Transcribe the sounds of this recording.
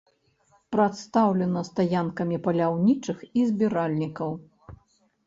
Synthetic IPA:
pɾɐt̪st̪awlʲɛnɐst̪ajankɐmʲipɐlʲawnʲit͡ʂɨxizʲbʲiɾalʲnʲikɐw

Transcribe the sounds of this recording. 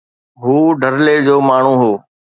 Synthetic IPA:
ɦuːɖʱəɾled͡ʑoːmaːɳ̤ũɦoː

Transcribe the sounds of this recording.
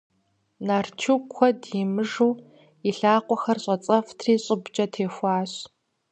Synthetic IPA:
nart͡ʃʰukʷʰɔdjimɨʒuː | iɬaːqʷɔxɐrɕʷʼɐt͡sʼɐftʰriːɕʼɪbt͡ʃʼɐtʰeːxʷɑːɕ

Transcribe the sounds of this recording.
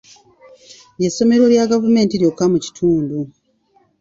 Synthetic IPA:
je̞sːo̞me̞ɾwo̞ljaɡavume̞ːntiɾjokːamuci̥tʰuːndu

